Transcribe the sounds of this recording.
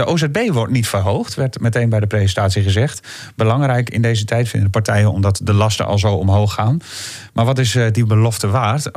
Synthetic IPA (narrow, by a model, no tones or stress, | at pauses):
əʔoːzɛbejʋɔɹtnitfərɦowxtʋɛɹtmɛtejnbɛjdəprejzəntaːtsiχəzɛχt | bəlɑŋrɛjkɪ̰ndejzətʰɛjtfɪ̰ndədəpaɹtɛjənɔ̰mdɑtdəlɑstə̰ʔɑ̰lˠzowɔmɦowxːaːn | maːɹʋɔtɪsdibəlɔftəʋaːrt